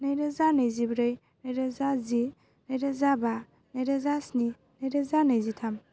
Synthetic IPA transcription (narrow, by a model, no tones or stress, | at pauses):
nɐjɾazanɐjzibɾɯj | najɾazazi | najɾazaba | najɾazasni | najɾazanajzitʰam